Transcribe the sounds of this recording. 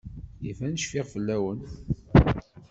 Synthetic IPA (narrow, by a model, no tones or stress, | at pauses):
jifænəʃfɪʁfəlːæwən